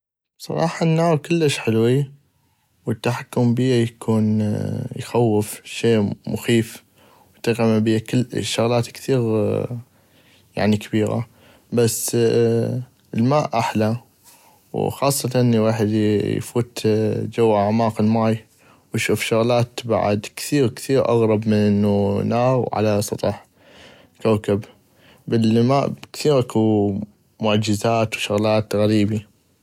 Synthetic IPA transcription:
sˤɑ̰ɾˤɑ̰ːħɑnːaːɾkɪlːəʃħɪlwi | wət̪ːaħakːʊmbiːajakʰuːnjxawːəfʃeːmʊxiːf | wjt̪aɣamabɪjːakɪlːʃːʊɣlaːt̪kθiːɣ | ja̰ʕnikabiːɾa̰ | basː | əlmaːʔʔaħla | wxɑːsˤːɑt̪ʔɪnːiwaːħɪd̪jfuːt̪d͡ʒawːaʕamaːqɪlmaːj | wʃuːfʃʊɣlaːt̪ba̰ʕa̰d̪kθiːɾkθiːɾʔa̰ɣɾˤɑbmɪnʔɪnːunaːwʕa̰lasˤɑt̪ˤɑħ | kawkab | bɪlmaːʔkθiːɾʔaku | mʊʔad͡ʒɪzaːt̪wʃaɣlaːt̪ɣaɾiːbi

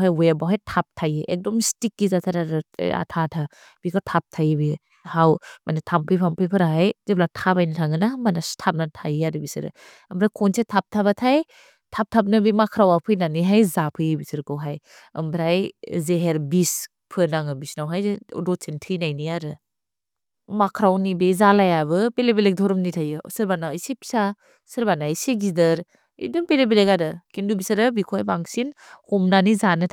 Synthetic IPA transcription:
ɦajwebawɦajtʰap̚tʰajeʔek̚dɔmistikːizatʰaɾaɾɯ̰a̰tʰatʰa | b̥ikatʰap̚tʰajbi | hawmʔanitʰampʰɯjpʰampʰɯjpʰɯɾaɦajzeblatʰabajnatʰaŋɯnamanastʰap̚natʰajaɾɯbisɯ̰ɾɯ̰ | ɐmbɾajkʰonsʰetʰap̚tʰaβatʰaj | tʰap̚tʰap̚nɐbimakʰɾawapʰɯjnaniɦajzapʰɯjbisɯɾkɯwɦaj | ɐ̰mbɾajzeɦeɾbis | pʰɯnaŋɯbisnawɦaj̰ɾɔtsintʰɯjnajnijaɾɯ | makʰɾawnibezalajabɯpelebelek̚dʱɔɾɯmnitʰajɯsɯɾbanawjsepʰi̥sa | sɯɾbanaiseɡidɐɾ | ḭduŋpelebelekaɾɯkindubisaɾabikʰojbaŋsinhomnanizanɯtʰ

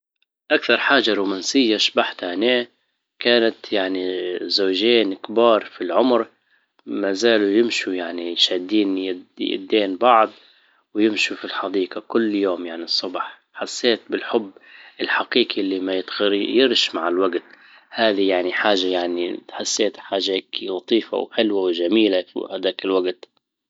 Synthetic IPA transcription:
ʔakθɑɾˤħaːʒaɾuːmaːnsɪjːaʃbaħt̪haneː | kaːnat̪jaʕnizoːʒeːnkbɑːɾˤfilʕʊmɾ | mazaːlujɪmʃujaʕnijʃad̪ːiːnjjɪ̰d̪ːeːnbɑʕd̪ˤ | wjɪmʃufilħɑd̪iːqɑkʊlːjoːmjaʕnisˤːʊbħ | ħasːeːt̪̚bɪlħʊbːɪlħaqiːqiʔlːimajɪt̪xɪɾjɪɾʃmaʕɪlwaɡt̪ | haːðijaʕniħaːʒajaʕniħasːeːt̪ħaːʒaheːklɑt̪ˤiːfa̰wħɪlwawʒamiːlafḭhad̪aːkɪlwaɡt̪

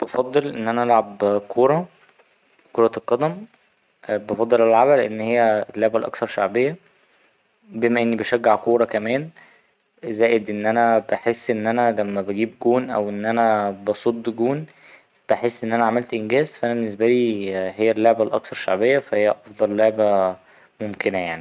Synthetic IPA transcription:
b̥ɑfɑd̪ˤːelʔenːʔænæʔælʕabkʰoːɾˤɑ | koɾˤɑlqɑd̪æm | bɑfɑd̪ˤːelelʕaβæleʔenːhejːælːoʕbælʔɑ̰ksɑɾˤʃaʕbejːæ | bemæʔenːibeʃæɡːaʕkoːɾˤɑkæmæːn | zæːjed̪ʔenːʔænæbeħesːʔenːʔænælæmːæbæɡiːbɡuːnʔæwʔenːʔænæbɑsˤod̪ˤːɡuːn | b̥eħesːʔenːʔænæʕamælt̪ʔenɡæːzfæʔænæbenːes̬bæliːɦejːælːoʕbælʔɑ̰ksɑɾˤʃa̰ʕbejːæfæhejːæʔɑfd̪ˤɑlːoʕbæ | momkenæjaʕni

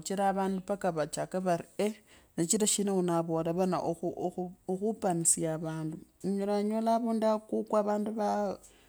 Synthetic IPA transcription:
t͡ʃiɾaβaːndupakaβat͡ʃakaβaɾienet͡ʃiɾaʃinewunaβolaβana̰ʔouoxupanisijaβaːnduɲolaɲolaβundakukwaβaːnduβa

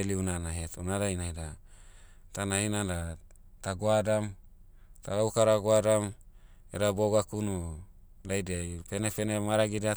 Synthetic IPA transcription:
eliunanaɦetunadajnajda | tanainanda | t̪aɡoadam | t̪aɡaukaɾaɡoadam | eɾaboɡakunu | dajdeajpenepenemaɾaɡida

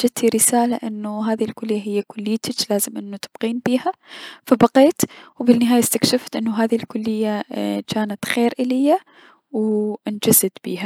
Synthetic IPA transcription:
d͡ʒad̪̚t̪ʰiɾɪsaːlaʔɪnːʊɦaːðilkʊlːɪjːaɦɪjːakʊlːɪjːt̪ɪt͡ʃlaːzɪmʔɪnːut̪ɪb̥qiːnbiːhafabaqeːt̪wbɪnːɪɦaːjast̪akʃɪft̪ʔɪnːʊɦaːðilkʊlːɪjːakaːnat̪xeːɾʔɪlɪjːa | wʔɪnd͡ʒazɪd̪b̥ḭːha

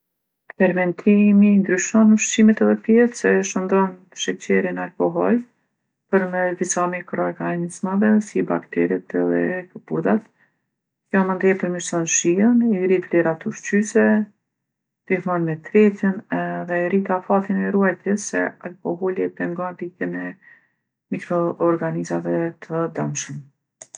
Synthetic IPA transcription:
pɛɾmɛnt̪ʰimind̪ɾyʃɔnuʃt͡ɕimɛt̪ɛðɛpjɛtsɛʃənd̪ɔn | ʃɛt͡ɕɛɾinalkɔɦɔl | pəɾmɛsd̪isamikɾɔɛɡanizmavɛsiba̰kt̪ɛɾiɛt̪ɛðɛ̰kəpuɾd̪at̪ | kjɔmənd̪jɛpəɾmiʃsɔnʃianiɾiflɛɾat̪uʃt͡ɕysɛ | d̪̥iθmɔnmɛt̪ɾɛt̪inɛðɛɾit̪afat̪inɛɾuɛjt̪jəsɛ̰alkɔɦɔliɛpɛŋɡɔnt̪it̪ɛmɛ | mikɾɔːɾɡanizavɛt̪ʰəd̪amʃəm

